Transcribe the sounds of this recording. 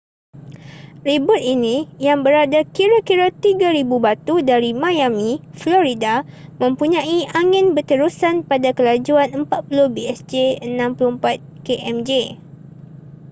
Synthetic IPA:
ribʊt̪̚inĩjaŋbəɾadakiɾakiɾat̪iɡaɾibubat̪udaɾimãjamĩflɔɾidamə̃mpuɲãiʔaŋɪ̃nbət̪əɾusanpadakəlad͡ʒuanəmpat̪̚pulʊhbiɛsd͡ʒeənãmpuluəmpat̪̚keʔɛmd͡ʒe

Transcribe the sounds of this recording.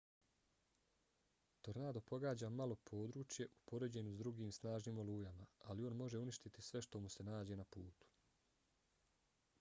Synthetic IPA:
t̪o̞ɾnaːd̪o̞po̞ɡaːd͡ʑaːmalˠo̞pʰo̞ːd̪ɾuːt͡ʃje̞ʔupo̞ɾe̞d͡ʑe̞nuzd̪ɾuɡiːmsnaːʒniːmo̞lˠuːjamaalio̞ːnmo̞ʒe̞uniʃt̪it̪isʋe̞ʃt̪o̞muse̞naːd͡ʑe̞ːnapuːt̪u̥

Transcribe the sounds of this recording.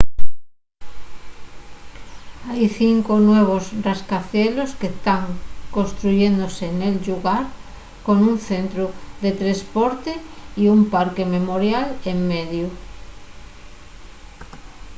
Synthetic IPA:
ajθiŋkonweβ̞osrraskaθelosket̪aŋkõnst̪ɾuʝend̪osenelʎuɣaɾ | konunθent̪ɾoðet̪ɾespoɾt̪eiumpaɾkememoɾjaleŋmeðju

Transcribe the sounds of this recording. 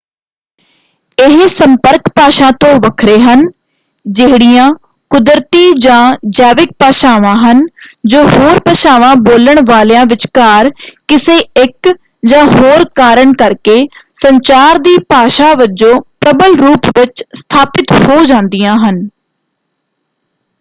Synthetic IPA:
ɪɦsəmpəɾkpaːʃãːt̪õːʋəkʰɾeːɦən | d͡ʒɪɦɽijãː | kʊd̪ɾt̪iːd͡ʒãːd͡ʒaːʋɪk̚paːʃaːʋãːɦənd͡ʒoːɦoːɾpəʃaːʋãːboːləɳʋaːlːãːʋɪt͡ʃkaːɾkɪseːɪk | d͡ʒãːɦoːɾkaːɾəɳkəɾkeːsəɲt͡ʃaːɾd̪iːpaːʃaːʋəd͡ʒõːpɾəbəlɾuːpʋɪt͡ʃst̪ʰaːpɪt̪hoːd͡ʒãːnd̪ijãːɦən

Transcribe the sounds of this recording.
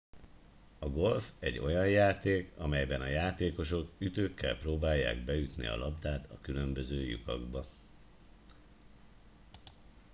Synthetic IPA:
ɒɡo̞lfɛɟːo̞jɒjjaːt̪eːkɒmɛjbɛnɒjaːt̪eːko̞ʃo̞kyt̪øːkːɛlproːbaːjːa̰ːɡ̚bɛjyt̪nḭɒ̰lʔɒbd̪aːt̪ɒkylø̞mbø̞zøːjṵkɒ̰ɡbɒ

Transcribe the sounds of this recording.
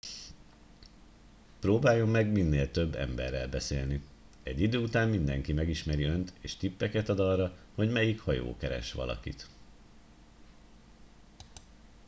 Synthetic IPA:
proːbaːjo̞mːɛɡminːeːlt̪ø̞bːɛ̰mbɛ̰rːɛlbɛseːlni | ɛɟːid̪øːut̪aːmmind̪ɛŋkimɛɡiʃmɛɾiø̞nt̪ʰeːʃt̪ipːɛkɛt̪ɒd̪ɒrːɒ | ho̞ɟmɛjikhɒjo̰ːkɛɾɛ̰ʃʋɒ̰lʔɒ̰kit̪

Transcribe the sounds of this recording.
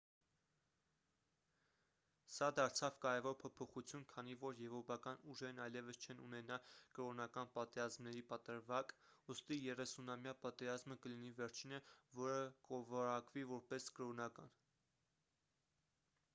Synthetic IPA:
sɑd̪ɑɾt͡sʰɑvkɑɾɛvɔɾpʰɔpʰɔχut͡sʰjunkʰɑn̪ivɔɾjɛvɾɔpɑkɑnuʒɛɾnɑjlɛvəst͡ʃʰɛnṵnɛnɑkəɾɔnɑkɑnpɑt̪ɛɾɑzmnɛɾipɑt̪əɾvɑkust̪ijɛrɛsunɑmjɑpɑt̪ɛɾɑzməkəlinivɛɾt͡ʃʰinəvɔɾəkɔvɑɾɑkvivɔɾpɛskəɾɔnɑkɑ̰n

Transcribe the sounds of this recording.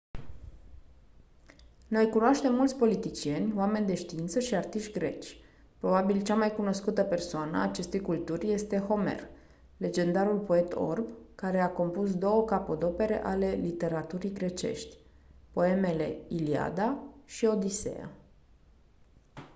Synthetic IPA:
no̞jkunoaʃt̪e̞mːult̪sʲpo̞lit̪it͡ʃije̞nʲoame̞nʲd̪e̞ʃt̪iint̪səʃiart̪iʃt̪ʲɡɾe̞̰t͡ʃʲ | pɾo̞babilt͡ʃamajkuno̞skut̪əpe̞rsoanəaːt͡ʃe̞st̪e̞jkult̪urʲje̞st̪e̞xo̞me̞̰r | le̞d͡ʒe̞nd̪aɾulpo̞e̞t̪ʰo̞̰rbkaɾe̞ako̞mpus̬d̪o̞wəkapod̪o̞pe̞ɾe̞̰ʔale̞lit̪e̞ɾat̪uɾijɡɾe̞t͡ʃe̞̰ʃt̪ʲpo̞e̞me̞le̞̰ilia̰d̪aʃio̞d̪ise̞̰a̰

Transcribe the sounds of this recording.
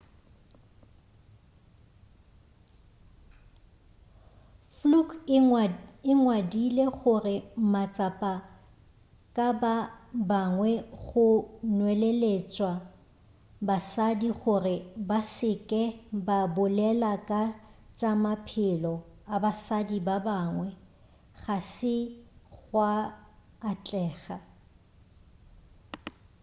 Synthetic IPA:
fluk | ɪŋwadileɣʊrɪmat͡sʼapʼa | kʼababaŋwɛɣʊnwɛlelet͡ʃʼwa | basadiɣʊrɪbasɪkʼɛbabʊlɛlakʼat͡ʃʼamapʰɪlɔabasadibabaːŋwɛ | ɣasɪɣwaː | t͡ɬʼɛːɣa

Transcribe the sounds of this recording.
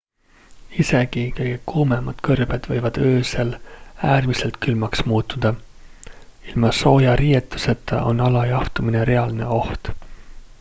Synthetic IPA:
ise̞ɡikɤjɡekuːmemɑt̪kɤrb̥ed̪̥vɤjvɑd̪̥øːselæːrmise̞lt̪̚kylmɑksmuːt̪ːˑud̪̥ɑ | ilmɑso̞ːjɑɾiːjet̪ːˑuse̞t̪ːˑɑ̰ʔo̞nːɑlɑjɑht̪umineɾe̞ɑlne̞̰o̞ht̪

